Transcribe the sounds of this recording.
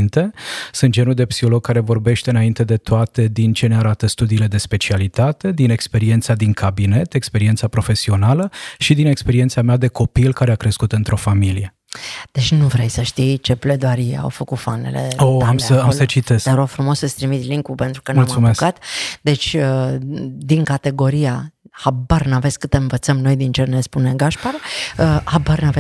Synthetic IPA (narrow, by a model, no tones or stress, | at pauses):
nt̪e̞sunt̪d͡ʒenuld̪e̞psiho̞lo̞ɡ̚kːaɾe̞vo̞rbe̞ʃt̪e̞ɨnaint̪e̞d̪e̞t̪oat̪e̞d̪int͡ʃe̞neaɾat̪əst̪ud̪iːle̞d̪e̞spe̞t͡ʃialit̪at̪e̞d̪ine̞kspe̞ɾient̪sad̪iŋkʰabine̞t̪e̞kspeɾient̪sapɾo̞fe̞sio̞naləʃid̪ine̞kspe̞ɾient̪samead̪e̞ko̞pilkaɾeakɾe̞skut̪ɨnt̪ɾʔo̞familije̞ | d̪̥e̞t͡ʃʲnuvɾejsəʃt̪ijt͡ʃe̞ple̞d̪oaɾiḛa̰wfəkut̪fanḛlḛoamsəamsət͡ʃit̪e̞sk̪eɾofɾumo̞səst̪ɾimit̪liŋkupe̞nt̪ɾu̥kənmulmasumeskat̪d̪e̞t͡ʃʲə | d̪iŋkat̪e̞ɡo̞ɾijahabarnave̞tskɨt̪eɨnvət̪səmno̞jd̪int͡ʃernespuneɡaʃpaɾəhabarnave